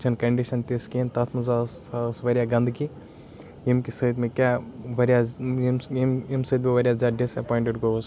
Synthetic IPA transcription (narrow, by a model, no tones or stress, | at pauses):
t͡ʃʰɐnkɐɳɖiʃɐnt̪eskint̪ɐt̪ʰmɐzasasʋɐɾjaɡɐ̃nd̪ki | jimkisəd̪mẽkʲaʋɐɾʲjamimimsəd̪meʋɐɾʲjazaːɖisɐpɔːiɳʈeɖɡos